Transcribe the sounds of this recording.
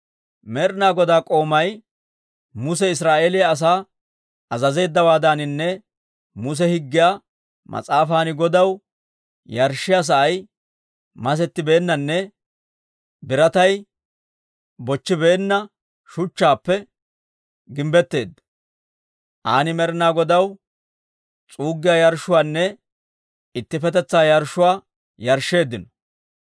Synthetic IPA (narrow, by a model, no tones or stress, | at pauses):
mɛɾnaːɡɔd̪aːkʼo̞ːmɐj | mʊs̬ɛɪs̬ɾaːʔe̞ːlɪjaːs̬aː | ɐzɐze̞ːd̪ːɐwaːd̪aːnɪnːɛ | mʊs̬ɛhɪɡːɪjaː | mʔɐ̰t͡sʼaːfaːnɪɡɔd̪ɐw | jɐɾʃɪjas̬ɐʔɐj | mɐs̬ɛt̪ːɪbe̞ːnːɐnːɛ | bɪɾɐt̪ɐj | bɔt͡ʃːɪbe̞ːnːɐ | ʃʊt͡ʃːaːpːɛ | ɡɪmbɛt̪ːe̞ːd̪ːɐ̥ | ʔaːnɪmɛɾɪnaːɡɔd̪ɐw | t͡sʼuːɡːɪjaːjɐɾʃʊwaːnːɛ | ɪt̪ːɪfɛt̪ɛt͡sːaːjɐɾʃːʊwaː | jɐɾʃːe̞ːd̪ːɪnɔ̥